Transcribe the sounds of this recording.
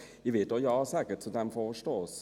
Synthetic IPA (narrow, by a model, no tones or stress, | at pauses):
ɪʋeːt̪ojɑːsæːkəʈsɔd̪ɛmfɔfɔʂʈoːs